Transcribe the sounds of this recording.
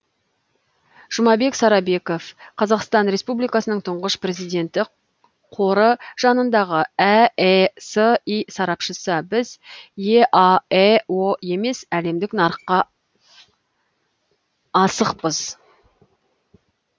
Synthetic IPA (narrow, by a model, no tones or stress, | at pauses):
ʒ̥ʊmɑbe̞ksɑɾɑbe̞ko̞fqʰɑzɑqst̪ɑnɾe̞spublˠijkɑsənəɴt̪ʰʊɴʁəʃpre̞zijd̪e̞nt̪ɪ | qʰo̞ɾəʒ̥ɑnənd̪ɑʁəæesəisɑɾɑpʃəsəbɪzje̞ʔɑewoe̞me̞sæle̞md̪ɪknɑɾəqːɑ | ɑsəqpəz̥